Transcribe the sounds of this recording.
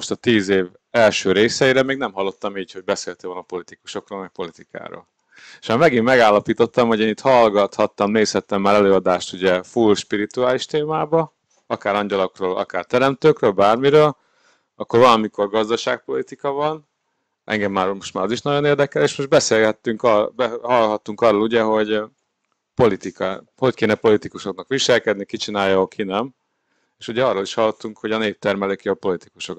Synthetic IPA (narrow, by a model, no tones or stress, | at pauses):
moʃt̪ɒt̪iːzeːv | ɛlʃøːɾeːsɛjiɾɛmeːɡnɛmɦɒlːo̞t̪ːɒmiːcho̞ɟ̚bɛseːlt̪eːolnɒpo̞lit̪iku̥ʃo̞kroːlmɛk̚po̞lit̪ika̰ːɾo̰ːl | eʃmaːmɛɡimːɛɡaːlːɒpiːt̪o̞t̪ːɒmho̞ɟeːnit̪hɒlɡɒt̪hɒt̪ːɒmneːshɛt̪ːɛmːaːɾɛløːɒd̪aːʃt̪uɟɛfulʃpiɾit̪uaːliʃt̪eːmaːbɒ | ɒkaːɾɒɲɟɒlo̞kroːlɒ̰kaːrt̪ɛɾɛmt̪øːkrøːlbaːrmiɾøːl | ɒkːo̞rvɒlɒmiko̞rɡɒzd̪ɒʃaːk̚po̞lit̪ikɒvɒn | ʔɛ̰ŋɡɛmːaːɾmo̞ʃt̪maːɾɒziʃnɒɟo̞neːrd̪ɛkɛleːʃmo̞ʒd̪bɛseːlɡɛt̪ːyŋkbɛhɒlɦɒt̪ːuŋkɒroluɟɛɦo̞ɟ | po̞lit̪ikɒ | ho̞ckeːnɛpo̞lit̪ikuʃo̞knɒkʋiʃɛlkɛd̪nikit͡ʃinaːjɒokʰinɛm | eʃuɟɛɒrːoːliʃhɒlːot̪ːuŋkho̞ɟɒneːp̚t̪ɛrmɛløːkjɒpo̞lit̪i̥kuʃo̞k